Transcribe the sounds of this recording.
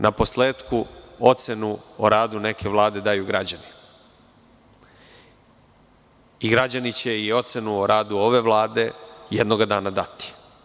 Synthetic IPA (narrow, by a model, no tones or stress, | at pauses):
nʔapo̞sleːt̪kuo̞t̪se̞nuo̰ɾaːd̪une̞kʰe̞ʋlˠaːd̪e̞d̪ajuɡɾad͡ʑani | iɡɾad͡ʑanit͡ɕe̞io̞t̪se̞nuoɾʔaːd̪uo̞ʋe̞ʋlaːd̪e̞jed̪no̞ɡad̪aːnad̪at̪i̥